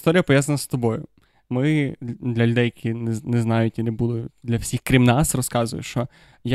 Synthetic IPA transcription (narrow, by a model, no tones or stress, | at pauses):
st̪ɔɾʲijɐpɔʋjazɐnɐst̪ɔbɔjʊ | mɪd̪lʲɐlʲʊd̪ɛjɐkʰʲinɛnɛznɑjʊtʲinebud̪ʊjʊd̪lʲɐwsʲixkɾʲimnɑsrɔskɑzʊjʊ̰ʃt͡ʃɔ | ja